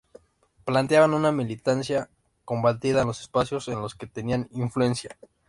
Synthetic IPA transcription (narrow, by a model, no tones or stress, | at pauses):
plant̪jaβanũnamilit̪ansja | kombat̪iðanlo̞sespasjo̞se̞nlo̞ske̞t̪e̞nianiɱflue̞nsja